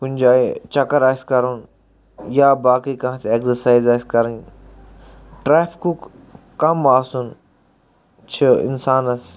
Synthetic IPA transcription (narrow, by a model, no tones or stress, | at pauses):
kʊnʲd͡ʒaːit͡ʃɐkəɾaːskɐɾun | jaːbaːkikɐ̃ãt̪ʰeeksəɾsaːizaːɪskɐɾĩ | ʈɾeːfʰkuk | kɐmaːsun | t͡ʃʰəɪ̰nsaːnɐs